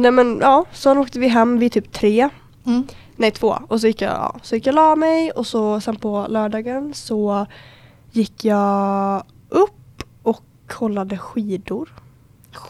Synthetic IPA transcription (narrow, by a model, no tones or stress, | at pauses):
nɛmɛnʔɑːsɔnoːkt̪əvɪɦɛmːvɪt̪ʰyːp̚t̪ʰɾeː | nɛjt̪ʰvo̰ːɔs̬ɔjɪkːjɑ̰ɑ̰ːsɔjɪkːjɑlɑːmɛjɔsɔsɛnpʰɔlœːɖɑːɡənsɔ | jɪkːjɑː | ʔɵpː | ɔk | hɔlːad̪əɧiːd̪ʊɾ